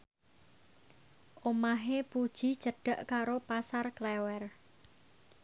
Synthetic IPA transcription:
ʔomaɦepud̥ʒ̥i̤̥t͡ʃəɖ̥a̤ʔkaɾopasarklɛwɛr

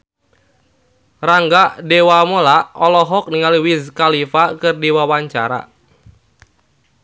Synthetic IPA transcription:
raŋɡaʔdewamolaɔlɔɦɔk̚niŋaliwizkalifakɨrdiwawaɲt͡ʃaɾa̰

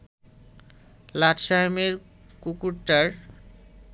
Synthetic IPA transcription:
laʈʃajmeɾ | kukuɾʈːaɾ

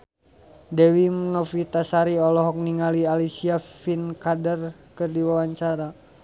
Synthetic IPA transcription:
dɛwimnɔfit̪asaɾiɔlɔɦɔk̚niŋalialisiafinkadərkɨrdiwawaɲt͡ʃaɾa

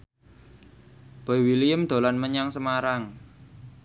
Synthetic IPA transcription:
b̥ɔ̤iwilijəmd̪̥o̤lanməɲaŋsəmaɾaŋ

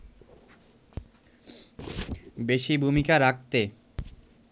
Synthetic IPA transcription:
beʃibʱumikaɾak̚t̪e

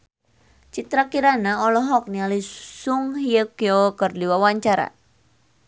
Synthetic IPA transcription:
t͡ʃit̪ɾakiɾanaɔlɔɦɔk̚nialisuŋɦiəkiokərdiwawaɲt͡ʃaɾa̰

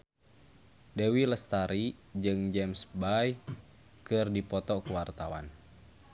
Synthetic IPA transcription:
dɛwiləst̪aɾid͡ʒɨŋd͡ʒɛmsbaj | kɨrdipɔt̪ɔkuwart̪awa̰n

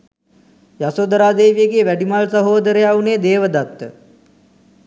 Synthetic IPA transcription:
jasod̪əɾaːd̪eːʋijeɡeeʋæɖimalsəɦoːd̪əɾəjauneːd̪eːʋəd̪at̪ːə̰

